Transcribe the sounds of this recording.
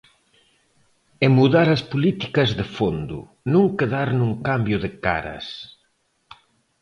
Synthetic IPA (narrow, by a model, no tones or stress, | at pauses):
emuðaɾɐspolit̪i̥kɐzðefond̪ʊ̰ | nũŋkeðaɾnuŋkambjʊðɪka̰ɾɐ̰s